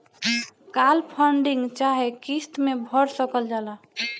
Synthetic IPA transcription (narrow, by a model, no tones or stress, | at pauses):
kalpʰəɳɖiŋɡt͡ʃaɦekist̪mebʱəɽsəkəld͡ʒala